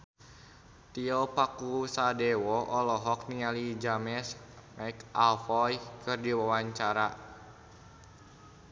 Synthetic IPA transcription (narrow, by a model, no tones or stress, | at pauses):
t̪iɔpakusadɛwɔʔɔlɔɦɔk̚nialid͡ʒamɛsmaikalfɔjkɨrdiwawaɲt͡ʃaɾa